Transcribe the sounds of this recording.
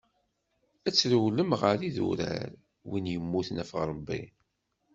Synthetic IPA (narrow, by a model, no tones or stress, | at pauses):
æt͡sːɾəwləmʁəɾiðṵɾæ̰ɾ | winjəmːuθnæfʁɾˤəbːḭ